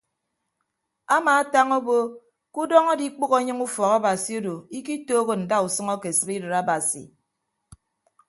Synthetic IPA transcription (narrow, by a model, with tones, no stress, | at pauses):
a˦maː˨a˦ta˦ŋo˦bo˦ | ku˦dɔ˦ŋɔ˦di˦k͡po˦ɣo˦ɲɨ˦ŋu˦fɔ˨ɣa˦ba˨si˨o˦do˨i˦ki˦toː˦ɣo˦˨n̩˨da˦u˨sɨ˦ŋɔ˦ke˨sɨ˨bi˦dɨ˨ɾa˦ba˨sḭ˨